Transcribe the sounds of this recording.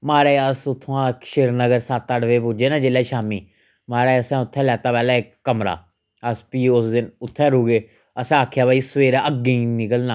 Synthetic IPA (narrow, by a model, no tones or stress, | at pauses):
maːɾeːəsʊt̪ʰːãːkʃeɾnəɡəɾsaːt̪ːaːɽəʋeːp̬ʊd͡ʒeːnãːd͡ʒeːlaːʃaːmiː | maːɾaəsãːʊt̪ʰːɛ̃ːlɛːt̪aːpɛːlaːɪkːəmɾa̰ː | əspiːʊsd̪ɪnʊt̪ʰːɛːɾuːɡeː | əsãaːkʰjaːbaːisʋeːɾaəɡẽiːnɪkəlna